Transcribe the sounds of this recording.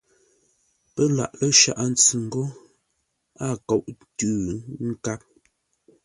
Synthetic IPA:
pə˦la̰˦˨ʔlə˦ʃa̰˦˨ʔa˦˨n̩˦t͡sʉ˨ŋ̩˨ɡo˦ | a˦˨ko˨ʔtʉː˨ŋ̩˦ka˦p̚

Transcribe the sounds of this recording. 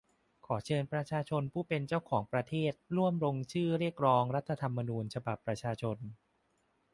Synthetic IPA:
kʰɔː˩˦t͡ɕʰɤː˧npɾa˧t͡ɕʰaː˧t͡ɕʰo˧npʰuː˥˩pe˧nt͡ɕa˥˩wkʰɔː˩˦ŋpɾa˧t̪ʰeː˥˩t̪̚ɾu˥˩əmɾo˧ŋt͡ɕʰɯː˥˩ɾi˥˩ək̚ɾɔː˦˥ŋɾa˦˥t̪ʰːa˧t̪ʰa˧mːa˧nuː˧nt͡ɕʰa˧ba˨˩pːɾa˧t͡ɕʰaː˧t͡ɕʰo˧n

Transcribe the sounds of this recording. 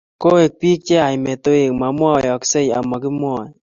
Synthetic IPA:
ko˦e˨k̚pi˦k̚t͡ʃɛ˦a˨jmɛ˨to˦e˨kma˨mwa˦˨jɔ˨ksɛ˦ja̰˨ma˨ki˦mwɔ˨n

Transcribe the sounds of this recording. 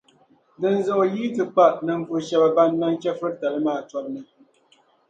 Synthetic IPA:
dɨ˦nzo˦ʔo˨jiː˦tɨ˨k͡pa˦ʔnɨ˦m˦fo˦ʃɛ˦ba˦ba˦nːa˦ŋkʲɛ˦fɨ˦ɾta˨lɨ˦maː˦˨tɔ˦b̚nɨ˨

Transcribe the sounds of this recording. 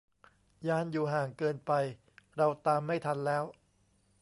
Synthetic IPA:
jaː˧˩njuː˨˩ɦaː˨˩ŋkɤː˧npa˧j | ɾa˧wt̪aː˧mːa˥˩jt̪ʰa˧nlɛː˦˥w

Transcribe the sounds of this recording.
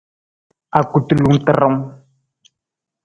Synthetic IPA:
a˨ku˦˨t̪u˦˨lu˦ŋ̩˦˨t̪ə˨ɾə˦m

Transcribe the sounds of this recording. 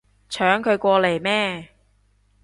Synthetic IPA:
t͡ʃʰœː˨˥ŋkʰɵ˨˧ɥkʷɔː˧le˨˩jmɛː˥

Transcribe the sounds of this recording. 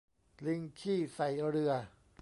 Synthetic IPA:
li˧˥ŋkʰiː˥˩sa˨˩jɾɯ˧ɐ

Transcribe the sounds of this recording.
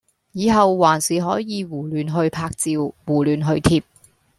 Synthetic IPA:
jiː˨˧ɦɐ˨wːaː˨˩nsiː˨ɦɔː˨˥jjiː˨˧wuː˨˩lyː˨nɦɵ˧ɥpʰaː˧k̚t͡siː˨˧wwuː˨˩lyː˨nɦɵ˧ɥt̪ʰiː˧p̚

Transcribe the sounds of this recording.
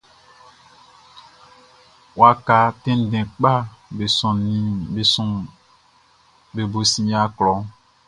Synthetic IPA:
wa˦ka˨tɛ̃˦n˦˨dɛ̃˨k͡pa˦be˨sɔ̃˨nĩ˨˦be˨sɔ̃˨ | be˨bo˨sĩ˦ja˦klɔ˨˦

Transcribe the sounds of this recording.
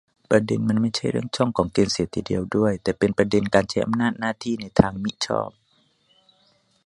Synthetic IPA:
pɾa˧de˧nma˧˥˨nma˥˩jt͡ɕʰa˥˩jɾɯ˥˩əŋt͡ɕʰɔ˥˩ŋkʰɔː˩˦ŋkeː˧nsiː˨˦t̪ʰːiː˧dḭ˨˧əwdu˥˩əjt̪ɛː˨˧˩pe˨npɾa˧de˨˧nkaː˨nt͡ɕʰa˧˥jʔa̰˨mnaː˥˩t̪̚naː˥˩t̪ʰiː˥˩na˧jt̪ʰaː˧ŋmi˧˥ʔt͡ɕʰɔ̰ː˥˩p̚

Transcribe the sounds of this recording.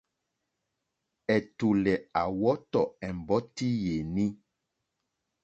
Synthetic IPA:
ɛ˨tu˨lɛ˨a˨wɔ˦t̪ɔ˨ɛ˨m˨bɔ˦ti˦je˨nĩ˦

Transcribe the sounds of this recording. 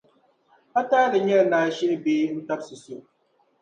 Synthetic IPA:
a˦taː˦lɨ˨ɲɛ˦lnaː˨ʃi˦nɨ˦beː˦n̩˦ta˦b̚sɨ˨so˦˨

